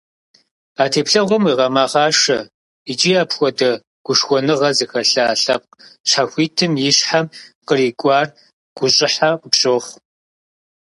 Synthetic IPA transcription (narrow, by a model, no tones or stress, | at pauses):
aːtʰeːpɬɐʁʷɔmwiːʁɐmaːʁɑːʂɐ | id͡ʒʼiaːpxʷɔdɐ | ɡ̥ʷʊʂxʷɔnɨʁɐzɨxɐɬɐaːɬɐp̚qʃʰħaxʷiːtʰɨmjɪɕħamqəriːkʷʼɑːr | ɡ̥ʷʊɕʼɪħaqəpɕʼoːχʷ